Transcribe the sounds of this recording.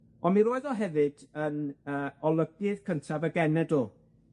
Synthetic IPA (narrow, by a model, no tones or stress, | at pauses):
ɔnmiɾoːɨðɔɦɛvɨd̥ənəːɔlˠəɡɨð̥kʰəntʰavəɡɛnɛdoː